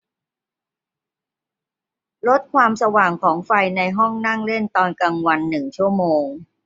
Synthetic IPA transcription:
lo˦˥t̪̚kʰwaː˧msa˧waː˨˩ŋkʰɔː˩˦ŋfa˧jna˧jɦɔ˥˩ŋna˥˩ŋle˥˩nt̪ɔː˧nka˧ŋwa˧nːɯ˨˩ŋt͡ɕʰu˥˩ɐmoː˧ŋ

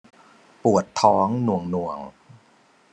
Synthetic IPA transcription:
pu˨˩ət̪ʰːɔː˦˥ŋnu˨˩əŋnu˨˩əŋ

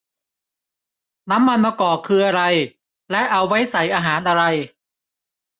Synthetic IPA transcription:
na˦˥mːa˧nmaː˧kɔː˨˩kʰɯː˧ʔa˧ɾa˧j | lɛ˦˥ʔa˧wːa˦˥jsa˨˩˦jʔaː˧ɦaː˩˦nʔa˧ɾa˧j

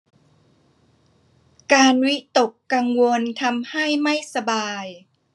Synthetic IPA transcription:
kaː˧nwi˦˥t̪o˨˩kːa˧ŋwo˧nt̪ʰa˧mha˥˩jma˥˩jsa˧baː˧j

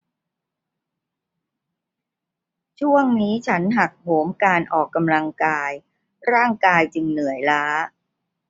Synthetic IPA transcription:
t͡ɕʰu˥˩əŋniː˦˥t͡ɕʰa˦˥nɦa˨˩k̚hoː˩˦mkaː˧nʔɔː˨˩kːa˧mla˧ŋkaː˧j | ɾaː˥˩ŋkaː˧jt͡ɕɯ˧ŋnɯ˨˩˦əjlaː˦˥

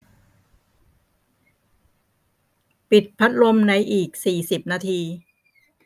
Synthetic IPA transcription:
pi˨˩t̪̚pʰa˦˥t̪̚lo˧mna˧jʔiː˨˩k̚siː˨˩si˨˩p̚naː˧t̪ʰiː˧

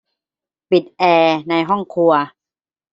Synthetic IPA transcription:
pi˨˩t̪̚ʔɛː˧na˧jɦɔ˥˩ŋkʰu˧ɐ

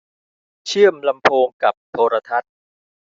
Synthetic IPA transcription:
t͡ɕʰɯ˥˩əmla˧mpʰoː˧ŋka˨˩p̚t̪ʰoː˧ɾa˧t̪ʰa˦˥t̪̚

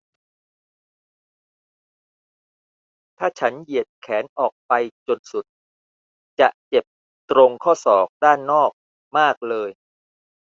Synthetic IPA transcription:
t̪ʰaː˥˩t͡ɕʰa˦˥nji˨˩ət̪̚kʰɛː˩˦nʔɔː˨˩k̚pa˧jt͡ɕo˧nsu˨˩t̪̚ | t͡ɕa˨˩ʔt͡ɕe˨˩p̚ | t̪ɾo˧ŋkʰɔː˥˩sɔː˨˩k̚daː˥˩nːɔː˥˩k̚ | maː˥˩k̚lɤː˧j

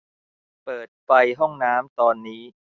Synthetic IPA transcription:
pɤː˨˩t̪̚fa˧jɦɔ˥˩ŋnaː˦˥mt̪ɔː˧nːiː˦˥

